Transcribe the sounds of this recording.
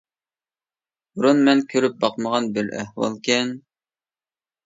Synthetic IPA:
buɾunmɛnkʲʰøɾyp̚bɑqməʁɑnbɪlæ̰hwɑ̰lˠkʲʰɛn

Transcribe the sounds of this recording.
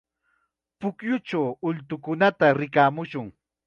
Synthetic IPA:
pʊkjʊt͡ʃawʊʎt̪ʊkʊnat̪aɾɪkaːmʊʃʊŋ

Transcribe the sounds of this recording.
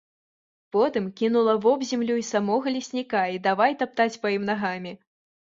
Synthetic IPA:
pɔt̪ɨmkʲin̪ulˠɐvɔbzʲamlʲuisamɔɣɐlʲisʲnʲikaid̪avajt̪ap̚t̪at͡sʲpajimnaɣamʲi

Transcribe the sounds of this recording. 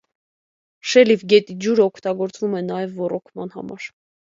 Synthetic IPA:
ʃɛlivɡɛt̪id͡ʒuɾəɔkʰt̪ɑɡɔɾt͡svumɛnɑjɛvːɔrɔkʰmɑn̪hɑ̰mɑ̰ɾ

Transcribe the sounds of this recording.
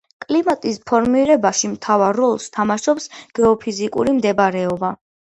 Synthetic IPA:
kʼlimat̪ʼispʰɔɾmiɾɛbaʃimt̪ʰavaɾːɔlˠst̪ʰamaʃɔpsɡ̥ɛɔpʰizikʼṵɾimd̪ɛbaɾɛɔba

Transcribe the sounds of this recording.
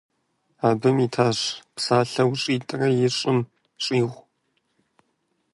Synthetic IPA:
aːbɨmiːtʰaːɕpsaːɬɐwɕʼiːtʼɨrɐjɪɕʼɪm | ɕʼiːʁʷ

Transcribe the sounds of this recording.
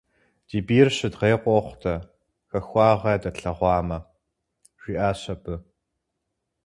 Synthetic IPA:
d̥iːbiːrɕɨdʁeːqʷʼɔχʷtʰɐ | xɐxʷɑːʁɐdɐɬɐʁʷɑːmɐ | ʒ̥ʷiːʔaːɕɐbɨ

